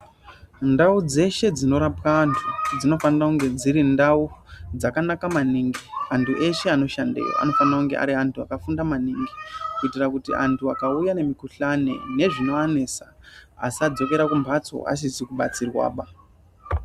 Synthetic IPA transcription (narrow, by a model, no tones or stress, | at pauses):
ndaud͡ze̞ʃe̞d͡zino̞ɾapkaːntʰud͡zino̞fanirakuŋɡe̞d͡ziɾindaud͡zakanakamaniŋɡiantʰuʔe̞ʃe̞ano̞ʃandḛjo̰a̰no̞fanirakuŋɡe̞̰ʔa̰ɾiantʰua̰kafundamaniːŋɡikuitirakutḭʔa̰ntʰua̰kaujane̞mikuɬane̞̰ne̞ʐino̞ane̞sa | asad͡zo̞ke̞ɾakumbʱat͡so̞̰a̰s̬isikuɓa̰t͡sirwa̰ːɓa